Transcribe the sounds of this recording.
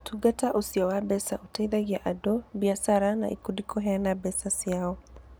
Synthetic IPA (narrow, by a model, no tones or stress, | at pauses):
tuɡataʔusiɔwabɛsaʔutaiðaɡjaʔadɔbiasaɾana̰ʔḭkudikʰɔɦɛanabɛsasiaɔ